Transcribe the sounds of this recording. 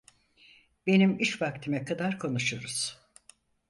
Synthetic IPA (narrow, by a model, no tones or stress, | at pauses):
be̞nimiʃvakt̪ʰimɛkʰad̪aɾkʰo̞nuʃuɾuz̥